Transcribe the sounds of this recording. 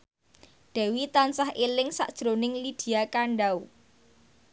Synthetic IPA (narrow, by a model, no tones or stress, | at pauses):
ɖ̪̥ɛ̤wit̪ansahʔelɪŋsaʔd̥ʒ̥ɾonɪŋlid̪̥i̤akaɳɖaw